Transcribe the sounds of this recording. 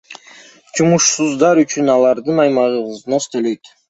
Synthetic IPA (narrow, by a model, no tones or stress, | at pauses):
d͡ʒumuʃsuzd̪ɑɾyt͡ʃynɑlˠɑɾd̪ɯnɑjmɑʁɯβɯznost̪øløjt̪